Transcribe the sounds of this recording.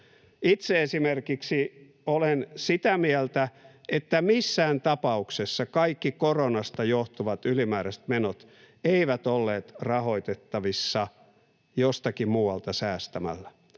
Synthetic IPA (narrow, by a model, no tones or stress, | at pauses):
it̪seesimerkiksi | olensit̪æmiɛlt̪æʔet̪ːæmisːæːnt̪ɑpɑuksesːɑkɑikːikoronɑst̪ɑjoht̪uʋɑt̪ylimæːɾæst̪menot̪ | eiʋæt̪olːeːt̪rɑhoit̪et̪ːɑʋisːɑ | jost̪ɑkimuːwɑlt̪ɑsæːst̪æmæ̰lːæ